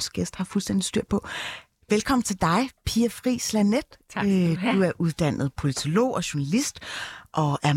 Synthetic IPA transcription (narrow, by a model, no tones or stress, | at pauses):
sɡ̥esd̥hɑ̈fulsd̥end̥isd̥yɐ̰̥pʰɒ̽ | ʋelkʰɒ̽m̰n̩t͡sʰe̝ld̥ɑ̈ɪpʰiːɐfʁḭːslæned̥ød̥uæɐʔuð̞ˠd̥æn̰ð̞̩ˠpʰo̝lit͡sʰo̝lo̝̰ːʔɒ̽ɕʊɐnælisd̥ʔɒ̽ʔæɐ